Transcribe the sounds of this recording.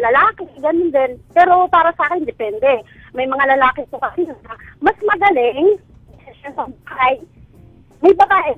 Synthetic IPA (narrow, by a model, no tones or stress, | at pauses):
lɐlaːkɛɡɐnʊnd̪ɛnpɛːɾo̞paːɾɐsɐʔaːkɛnd̪ɛpɛnd̪ɛmɐjmɐŋalɐlaːkɪt̪okɐʔɪjʊnɐmɐsmɐɡɐlɪŋ | d̪ɪsɪsonsɐbkaj | mɐjbɐbaːʔɛ